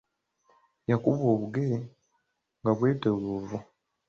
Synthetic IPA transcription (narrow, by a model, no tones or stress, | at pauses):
jakuβoːβuɡeɾe | ŋɡaβwe̞ːteɣuːvu